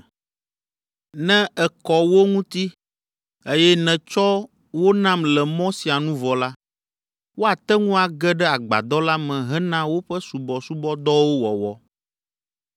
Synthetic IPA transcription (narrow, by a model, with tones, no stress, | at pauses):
nɛ̃˦ɛ˨kɔ˨wo˦ŋũ˦t̪i˦ | e˦jɛ˦nɛ̃˨t͡ʃɔ˦ | wo˦nã˦mlɛ˨mɔ̃˦si˨a˨nũ˦vɔ˨la˦ | wo˦a˨t̪ɛ˦ŋũ˦a˨ɡɛ˦ɖɛ˦a˨ɡ͡ba̰˨d̪ɔ˦la˦mɛ̃˨ɦɛ˦nã˦wo˦ɸɛ˦su˨bɔ˨su˦bɔ˦d̪ɔ˦wo˦wɔ˨wɔ˦